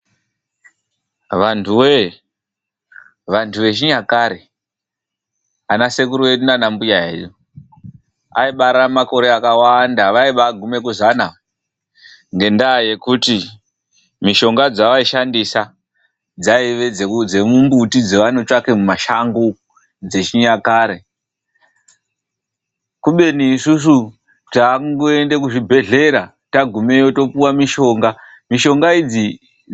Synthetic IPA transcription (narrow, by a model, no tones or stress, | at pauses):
ʋantʰuwe | ʋantʰuʋe̞ʃ̬iɲakaɾe | anase̞k̬uɾiwe̞ɗunanambujaɦḛjo | a̰iɓaɾamako̞ɾe̞akawandaʋaiɓaɡʱume̞kuzana | ŋɡe̞ndaje̞kuti | miʃo̞ŋɡad͡zaʋaiʃandisa | d͡zaiʋe̞d͡zeud͡ze̞mumbutid͡ze̞ʋanot͡ʃake̞mumaʃaŋɡo | d͡ze̞t͡ʃiɲakaːɾe | kuɓe̞niːsus̬u | taŋɡoe̞ndekuʐibʱe̞ɮe̞ɾa | taɡʱumejoto̞puwamiʃo̞ːŋɡa | miʃo̞ŋɡaid͡zi